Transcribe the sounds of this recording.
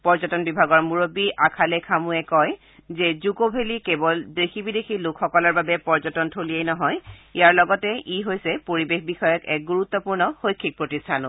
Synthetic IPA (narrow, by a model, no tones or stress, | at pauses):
pɔɹzɔtɔnbibʱaɡɔɹmuɹobiʔakʰalɛkʰamuɛkɔj | zɛzukobʱelikebɔldexʰibidexʰilokʰxɔkɔlɔɹbabɛpɔɹzɔtɔntʰolijejnɔɦɔjijaɹlɔɡɔtɛiɦojsɛpoɹibexbixɔjɔkɛ̰k̚ɡuɹut̪ːɔpuɹnɔxojkʰːik̚pɹotistʰanʊ